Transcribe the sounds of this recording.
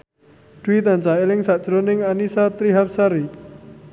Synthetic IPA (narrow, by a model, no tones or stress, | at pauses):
d̥wit̪and͡ʒaelɪŋsaʔd̥d͡ʒ̥ɾonɪŋanisat̪ɾiɦap̚saɾi